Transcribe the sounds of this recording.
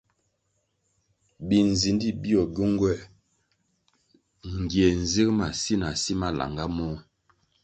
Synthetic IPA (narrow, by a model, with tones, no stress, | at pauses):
bi˨n˨zi˨ndi˦˨bi˦ɔ˨ɟu˦ŋɡwɛ˦˨ | ŋ˨ɡje˨n̩˨zi˦kma˨si˦na˨si˦ma˦la̰˨ŋɡa˦mɔ˦